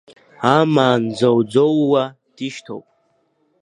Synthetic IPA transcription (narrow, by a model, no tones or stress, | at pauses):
amaːnd͡zawd͡zowːa | d̥iʃtʰo̰wpʼ